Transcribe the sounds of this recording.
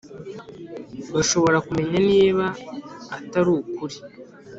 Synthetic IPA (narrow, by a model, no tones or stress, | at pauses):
βaʃo̞βo̞ɾakume̞ɲaniːβaː | taɾuːkuɾi